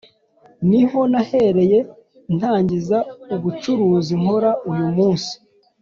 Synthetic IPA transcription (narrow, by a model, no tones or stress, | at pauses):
niho̞nahe̞ɾe̞je̞ | n̥haːɲɟizauβut͡ʃuɾuːziŋ̥o̞ɾaujumuːnsi̥